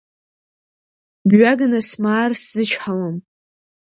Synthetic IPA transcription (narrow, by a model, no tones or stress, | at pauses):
bɥʷaɡanasmaːrszɨt͡ʃʰħawam